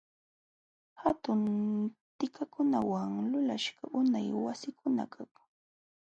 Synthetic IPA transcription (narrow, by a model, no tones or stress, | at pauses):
hat̪ʊnt̪ɪkakʊnawaŋlʊlaʃɢɑʔʊnajwasɪkʊna̰kʰaχ